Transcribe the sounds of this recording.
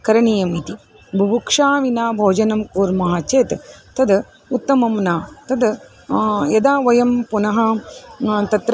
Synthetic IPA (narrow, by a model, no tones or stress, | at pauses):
kɐɾɐɳijɐmit̪i | bʱɐbukʂaːʋinaːbʱoːd͡ʒɐnɐmkuːɾmɐɦaːt͡ʃeːt̪t̪ɐd̪ | ut̪ːɐmɐmnaːt̪ɐd̪ | jɐd̪aːʋɐjɐmpunɐɦɐ | t̪ɐt̪ɾ